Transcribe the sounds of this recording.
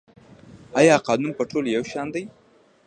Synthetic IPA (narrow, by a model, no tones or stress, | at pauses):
ɑjɑqɑnumpəʈʰoljawʃɑnd̪aj